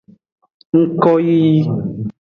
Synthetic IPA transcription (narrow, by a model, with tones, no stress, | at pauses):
ŋ̩˦kɔ˦ji˦ji˦